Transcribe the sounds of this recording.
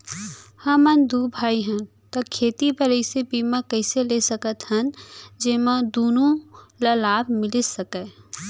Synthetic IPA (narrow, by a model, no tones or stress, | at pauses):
hɐ̃mɐnd̪ubʱaːiɦə̃ | t̪okʰeːt̪ibəɾəisebiːmãkɛːselesəkət̪ɦənd͡ʒeːmãd̪oːnũlɐlaːbmɪlɪsɐkɛ